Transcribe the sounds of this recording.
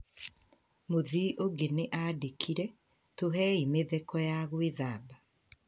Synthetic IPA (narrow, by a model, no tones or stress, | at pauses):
moðiʔoɡeneʔadekʰiɾɛ | toɦɛimeðekɔjaɣweðaːba